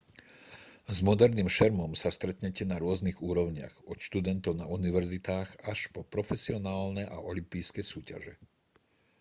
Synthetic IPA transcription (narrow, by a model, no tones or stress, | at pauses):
zmɔd̪ɛɾniːmʃɛɾmɔmsast̪ɾɛt̪ɲɛcɛnaɾʊɔzniɣuːɾɔʊɲɪa̰ɣɔt̪ʃt̪ud̪ɛnt̪ɔʊnauniʋɛɾzit̪aːɣaʃpɔpɾɔfɛsiɔnaːlnɛʔa̰ʔɔlimpijskɛjsuːca̰ʒɛ̰